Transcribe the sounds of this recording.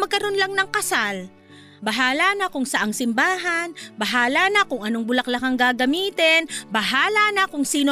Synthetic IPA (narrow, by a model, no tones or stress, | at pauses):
mɐɡkɐɾo̞nlɐŋnɐŋkɐsal | bɐɦaːlanɐkʊŋsɐʔaŋsɪmbaːɦɐnbɐɦaːlanɐkʊŋʔɐno̞ŋbʊlɐklɐkɐŋɡaːɡɐmiːt̪ɛnbɐɦaːlanɐkʊŋsiːno